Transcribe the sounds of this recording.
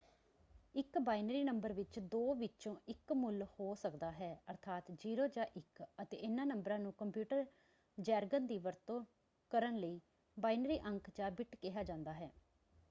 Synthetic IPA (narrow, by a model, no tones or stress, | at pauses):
ɪkbaːɪnəɾiːnəmbəɾʋɪt͡ʃd̪oːʋɪt͡ʃõːʔɪkmʊlhoːsəkd̪aːɦɛːəɾt̪ʰaːt̪d͡ʒiːɾoːd͡ʒaːʔɪkət̪ḛːɪnãːnəmbɾãːnũːkəmpjuːʈəɾ | d͡ʒɛːɾɡənd̪iːʋəɾt̪õː | kəɾənləiː | baːinəɾiːʔəŋkd͡ʒãːbɪʈkɪɦaːd͡ʒãːnd̪aːɦɛː